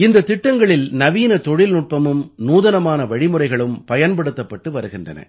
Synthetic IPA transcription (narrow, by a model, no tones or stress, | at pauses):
ɪnd̪ɐt̪ːɪʈːɐŋɡɐɭɪlnɐʋiːnɐt̪ɔɻɪlnʊʈ̚pɐmɯmnuːðɐnɐmaːnɐʋɐɻɪmɯrɐɪɣɐɭɯmpɐjɐnpɐɽɯt̪ːɐpːɐʈːɯʋɐɾɯɣɪndrɐ̰nɐ̰